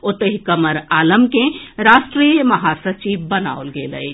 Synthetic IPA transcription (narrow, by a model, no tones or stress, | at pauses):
ot̪əɦikəməɾaləmkẽɾasʈɾijəməɦasət͡ʃibbəna̰olɡelə̰ɪ